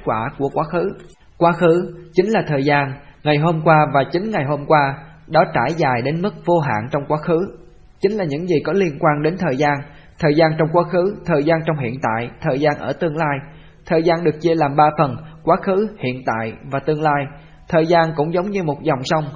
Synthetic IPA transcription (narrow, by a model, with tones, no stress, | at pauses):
t̚kwaː˧˩ku˧˩əkwaː˨˦xɨ˨˦ | kwaː˨˦xɨ˨˦t͡ɕï˨˦ŋ̟laː˨˩t̪ʰəː˨˩jzaː˧nŋa˨˩jɦo˧mkwaː˧vaː˨˩t͡ɕï˨˦ŋŋa˨˩jɦo˧mkwaː˧ | ɗɔ˨˦t͡ɕaː˧˩jzaː˨˩jɗe˨˦nmɨ˦˥k̚vo˧ɦa̰ː˧˨ŋt͡ɕɔ˧wŋ͡mkwaː˨˦˥xɨ˨˦ | t͡ɕï˨˦ŋ̟laː˨˩ɲɨ̰˧˥ŋzi˨˩kɔ˨˦li˧ənkwaː˧nɗe˨˦nt̪ʰəː˨˩jzaː˧n | t̪ʰəː˨˩jzaː˧nt͡ɕɔ˧wŋ͡mkwaː˨˦˥xɨ˨˦t̪ʰəː˨˩jzaː˧nt͡ɕɔ˧wŋ͡mhḭ˧˨ənt̪a̰ː˧˨jt̪ʰəː˨˩jzaː˧nʔəː˧˩t̪ɨ˧əŋlaː˧j | t̪ʰəː˨˩jzaː˧nɗɨ˨˩ək̚t͡ɕi˧əlaː˨˩mɓaː˧fə˨˩nkwaː˨˦˥xɨ˨˦hḭ˧˨ənt̪a̰ː˧˨jvaː˨˩t̪ɨ˧əŋlaː˧j | t̪ʰəː˨˩jzaː˧nkʊ̰˧˥ŋ͡mzə˨˦wŋ͡mɲɨ˧mo˨˩t̚zɔ˨˩wŋ͡msa˧wŋ͡m